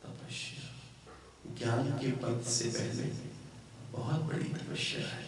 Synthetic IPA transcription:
t̪ɐpɐʃa | ɡjaːnkepɐt̪sepɛɦlḛ | bɐɦʊt̪̚bɐ̰ɽḭt̪ɐpəʃja̰ɦɛ

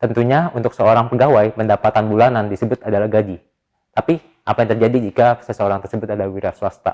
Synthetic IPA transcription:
t̪ənt̪uɲaunt̪ʊksəoɾaŋpəɡawajpəndapat̪anbulanandisəbʊt̪adalahɡad͡ʒi | t̪api | ʔapajaŋt̪ərd͡ʒadid͡ʒikasəsəoɾaŋt̪ərsəbʊt̪adalawiɾasuwast̪a̰

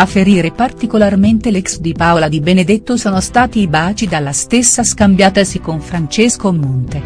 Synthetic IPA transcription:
afːeɾiːɾepart̪ikolarment̪elɛksd̪ipaolad̪ibened̪et̪ːosɔːnost̪aːt̪iːbaːt͡ʃid̪alːast̪esːaskambjaːt̪asikonfɾant͡ʃeskomːont̪e

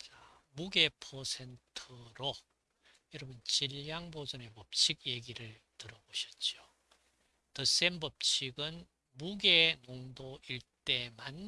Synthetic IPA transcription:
t͡ɕamuɡe̞pʰʌsʰe̞ntʰɯɾo | jʌɾʌbɯnt͡ɕiʎjaŋbod͡ʑʌne̞pʌp̚t͡ɕʰiɡje̞ɡiɾɯɭtɯɾʌboɕʰʌt̚t͡ɕ͈jo | tɯs͈e̞nbʌp̚t͡ɕʰiɡɯn | muɡe̞noŋdoiɭt͈e̞man

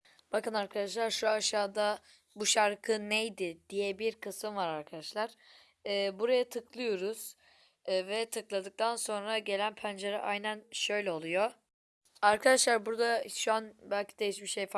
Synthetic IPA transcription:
b̥akɯnaɾkʰad̪aʃ̬lˠaɾʃuaʃaːd̪a | buʃaɾkʰɯnejd̪ɪd̪̥ijɛbiɾkʰɯsɯmvaɾaɾkʰad̪aʃlˠaɾ̥ː | buɾajat̪ʰɯklˠɯjo̞ɾuz̥ | vɛt̪ʰɯklˠad̪ɯk̚t̪ʰanso̞nɾaɟe̞lʲænpʰænd͡ʒe̞ɾɛʔajnænʃø̞jlʲɛo̞lˠujo | aɾkʰad̪aʃlˠaɾbuɾd̪aʃuanbælʲcʰid̪ejiʃmiʃejf

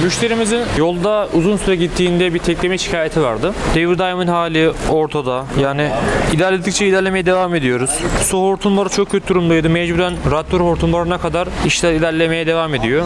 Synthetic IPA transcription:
myʃt̪ʰe̞ɾimizinjo̞lˠd̪auzunsyɾɛɟit̪ʰːiːnd̪ɛbiɾt̪ʰɛclʲemeʃi̥cʰaːjet̪ʰivaɾd̪ɯd̪̥eviɾd̪ajmɯnhaːlʲio̞ɾt̪ʰad̪ajaːniilʲæɾlʲed̪ik̚t͡ʃʰɛilʲæɾlʲeme̞jɛd̪e̞vaːme̞d̪ijo̞ɾuz̥soɦoɾt̪ʰunbaɾat͡ʃʰok̚cʰøt̪ʰid̪uɾumd̪ajd̪ɯmɛd͡ʒbuɾænɾat̪ʰːøɾhoɾt̪ʰunbaɾɯnakʰad̪aɾiʃt̪ɛilʲæɾlʲe̞me̞jɛd̪e̞vaːme̞d̪ijo̞

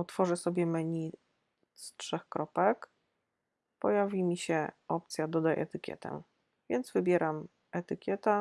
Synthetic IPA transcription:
ɔt̪fɔʐɛsɔbʲjɛmɛɲi | stʂɛxkɾɔpɛk | pɔjavʲimʲiɕɛɔp̚t̪sʲjad̪ɔd̪ajʔɛ̰t̪ɘkʲjɛ̰t̪ɛ̰ | vʲjɛnd̪zvɘbʲjɛɾam | ɛt̪ɘkʲɛt̪a

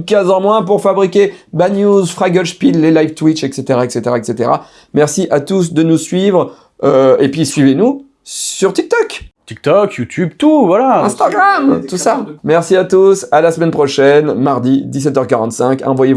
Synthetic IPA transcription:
kʲɛ̃zɑ̃mwɛ̃puʁfabʁikʲebanjuzfχaɡɔʃpid̪lelajvt̪witʃɛkset̪eʁaɛkset̪eʁaɛkset̪eʁa̰ | mɛʁsiʔat̪us̬d̪ənusɥivʁ | øepɥisɥivenu | syʁt̪ik̚t̪ɔkt̪ik̚t̪ɔkjut̪ʲʰybt̪uvwalaɛ̃st̪aɡʁamt̪usamɛʁsiat̪usalasəmɛnpχɔʃɛnmaʁd̪id̪is̬ɛt̪œʁkaʁɑ̃t̪sɛ̃kɑ̰̃vwaje

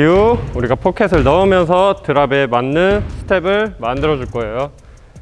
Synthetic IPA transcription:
iuuɾiɡapʰokʰes̬͈ʰɯɭnʌɯmjʌns̬ʰʌtɯɾabe̞manːɯnsʰɯ̥tʰe̞bɯɭmandɯɾʌd͡ʑuɭk͈ʌejo

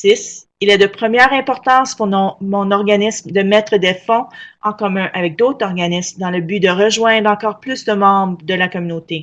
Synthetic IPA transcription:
sis | ilad̪əpχəmjɛːʁɛ̃pɔʁt̪ɑ̃ːspuʁnɔ̃mɔ̃nɔʁɡanismd̪əmɛt̪χəd̪efɔ̃ɑ̃kɔmœ̃ʔavɛk̚d̪ot̪χɔʁɡanismd̪ɑ̃ləbyd̪əʁəʒwɛ̃d̪ʁɑ̃kɔːʁplysd̪əmɑ̃bʁəd̪əlakɔmynot̪e

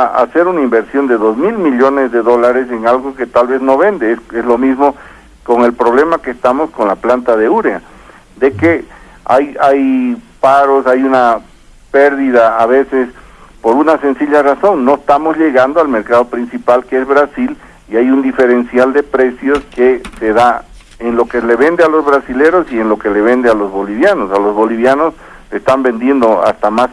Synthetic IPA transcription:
aa̰seɾunaimbeɾsjo̞nd̪eðozmilmiʎonezðeðolaɾeseŋalɣoket̪alβe̞znoβend̪esezlomizmo | koŋe̞lpɾoβlemakest̪amoskonlaplant̪aðeuɾea̰ | d̪eke | a̰jajpaɾosajuna | peɾðiðaːβesespo̞ɾunase̞nsiʎaraso̞nːo̞est̪amo̞zʎe̞ɣand̪oalme̞ɾkaðo̞pɾinsipalkeezβɾasil | iajund̪ife̞ɾensjald̪e̞pɾe̞sjo̞skeseða | enlo̞kele̞βend̪ealo̞zβɾasile̞ɾo̞sienlo̞ke̞le̞βe̞nd̪ealo̞zβo̞liβjano̞salo̞zβo̞liβjano̞s | lest̪ambe̞nd̪je̞nd̪oa̰st̪amas

